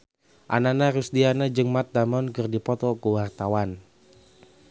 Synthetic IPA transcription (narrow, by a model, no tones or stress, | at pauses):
ʔa̰nanaɾusdianad͡ʒɨŋmat̪̚damɔnkərdipɔt̪ɔkuwart̪awan